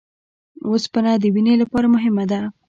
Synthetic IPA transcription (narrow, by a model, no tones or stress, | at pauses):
ospənɑd̪əwinelapɑɾamʊɦɪmad̪a